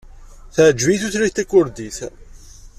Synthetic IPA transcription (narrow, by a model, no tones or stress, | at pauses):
θəʕd͡ʒːviθuθliçt̪ækːʊɾd̪iθ